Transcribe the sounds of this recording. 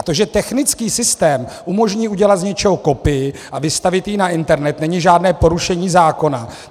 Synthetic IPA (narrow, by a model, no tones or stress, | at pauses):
t̪oʒɛt̪ɛxnɪt͡skiːsɪst̪ɛːmʔumo̞ʒɲiːʔuɟɛlat̪zɲɛt͡ʃɛɦoko̞pɪjɪʔavɪst̪avɪt̪jɪnaʔɪnt̪ɛɾnɛt̪nɛɲɪʒaːdnɛːpo̞ɾuʃɛɲiːzaːko̞na